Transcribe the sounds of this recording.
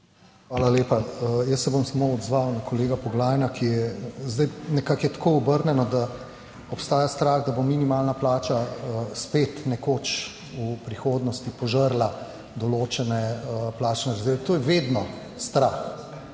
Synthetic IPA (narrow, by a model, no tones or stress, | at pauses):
xʋaːlaleːpajəsːɛbomsɐmoɔd̪zʋawnakɔleːɡapɔɡlaːjnakʰijɛzd̪ajnɛkakjɛt̪kʰoːɔbəɾnɛnɔd̪a | ɔpst̪aːjast̪ɾaːɣd̪abominimaːlnaplaːt͡ʃaəspeːt̪nɛkoːt͡ʃ | upɾixoːd̪nɔst̪ipɔʒəɾla | d̪ɔloːt͡ʃɛnɛəplaːt͡ʃnɛɾazd̪eːlɛt̪oːjɛʋed̪nɔ | st̪ɾax